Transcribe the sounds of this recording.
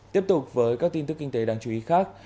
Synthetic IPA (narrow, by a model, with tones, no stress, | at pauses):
t̪i˦˥əp̚t̪ʊ˨˩k͡p̚vəː˨˦jkaː˦˥k̚t̪i˧nt̪kːï˧ŋ̟t̪e˨˦ɗaː˧˩ŋt͡ɕu˨˦ʔi˨˦xaː˦˥k̚